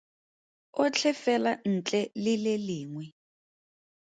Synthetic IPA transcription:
ʊt͡ɬʰɛfɛlan̩t͡ɬʼɛlɪlɪliːŋwɛ

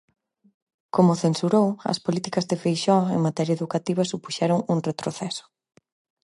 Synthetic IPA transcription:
komʊθensuɾowɐ̰spolit̪ikɐzðɪfejʃɔḛŋmat̪ɛɾjɐeðukat̪iβɐsupu̥ʃɛɾʊŋuŋret̪ɾoθɛsʊ̥

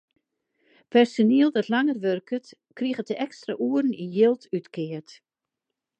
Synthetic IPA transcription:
pʰɛrsoniəlˠdɔtlaŋərʋørkʰət | kriɣətəʔɛkstra̰ʔuərn̩ijɪlˠtʰytkʰɪərt

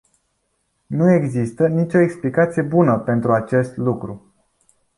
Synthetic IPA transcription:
nue̞ɡzist̪ənit͡ʃʲo̞eksplikat̪sijebunəpe̞nt̪ɾuat͡ʃe̞st̪lukɾu

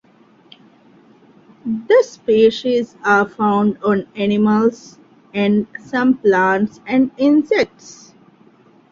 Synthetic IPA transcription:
d̪əspeːʃizaːɾfãʊ̃ɳɖɔ̃ːnænɪməls | ɛ̃ɳɖsʌ̃mplãːɳʈsɛ̃ɳɖɪ̃nsek̚ʈs

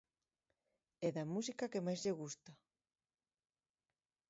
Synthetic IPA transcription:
ɛðɐmus̬ikakemajzʎeɣust̪a

